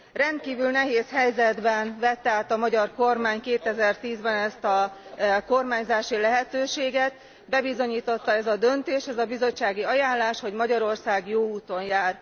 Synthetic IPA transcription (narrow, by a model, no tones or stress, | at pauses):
rɛnt̪̚kiːvylnɛɦeːshɛjzɛd̪bɛnvɛt̪ːɛaːt̪ɒmɒɟɒrko̞rmaːɲkeːt̪ɛzɛrt̪iːzbɛnɛst̪ɒko̞rmaːɲzaːʃilɛɦɛt̪øːʃeːɡɛt̪̚ | bɛbizo̞ɲiːt̪o̞t̪ːɒɛzɒd̪ø̞nt̪eːʃɛzɒbizo̞t͡ʃːaːɡiɒjaːnlaːʃho̞ɟmɒɟɒɾo̞rsaːɡjoːuːt̪o̞njaːr